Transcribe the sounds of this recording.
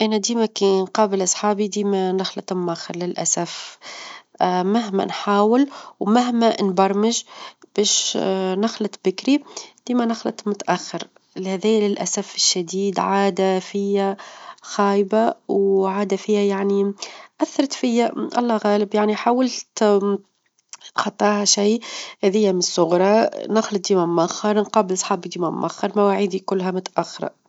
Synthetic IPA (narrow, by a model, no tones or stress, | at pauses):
ʔænæd̪iːmækinqɑːbɪlʔɑsˤħɑːbid̪iːmænɑxlɑt̪ˤmːaxɪɾˤlɪlʔa̰saf | mɪɦmæ̰nħaːwɪlwmaɦmænbɑɾˤmɪʒb̥ɛːʃnaxlɪt̪bɪkɾid̪̥iːmænaxlɑ̰t̪mʊt̪ʔaxːɪɾ | lhæðɛːlɪlʔasafɪʃːad̪iːd̪ʕaːd̪afɪjːæxaːjbawʕaːd̪afijhæjaʕniʔæθːɑɾˤt̪fɪjːaʔɑ̰lˤːɑɣæːlɪbjaʕniħaːwalt̪ | t̪xɑt̪ˤːɑːhɑʃijhæðɪjːæmɪnɪsˤːʊɣɾˤɑnɑxlɑt̪̚d̪iːmæmːaxɑɾˤnqɑːbɪlsˤħɑːbid̪iːmæm̰ʔa̰xːɑɾˤmæwaʕiːd̪ikʊlːɦæmʊt̪ʔaxːɪɾˤɑ̰